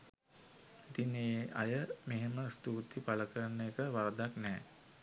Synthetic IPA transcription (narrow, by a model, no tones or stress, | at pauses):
it̪ineʔa̰jəmeɦeməst̪uːt̪ipaləkəɾənːəkəʋaɾd̪aknɛː